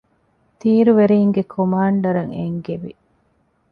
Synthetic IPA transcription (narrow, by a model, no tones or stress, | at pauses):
t̪iːɾuʋeɾiːŋɡekʰomaːɳɖɐɾɐŋḛŋɡeʋi